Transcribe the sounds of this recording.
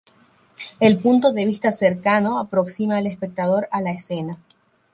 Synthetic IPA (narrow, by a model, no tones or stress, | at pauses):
elpunt̪o̞ðeβ̞ist̪aseɾkano̞apɾo̞ksimaelespe̞k̚t̪að̞o̞ɾalaesena